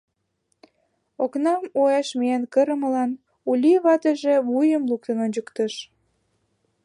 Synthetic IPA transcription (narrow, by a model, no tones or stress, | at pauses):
oknɑmoɑʃmiænkəɾə̆məlɑn | ulʲiβɑt̪əʒeβujəmluk̚t̪ənonʲd͡ʑəkt̪əʃ